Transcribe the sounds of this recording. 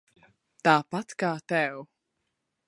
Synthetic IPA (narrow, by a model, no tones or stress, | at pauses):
t̪aːpat̪kaːt̪ɛw